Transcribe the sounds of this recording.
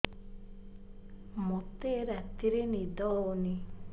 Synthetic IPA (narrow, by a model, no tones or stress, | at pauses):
mɔt̪eɾat̪iɾenid̪ɔoni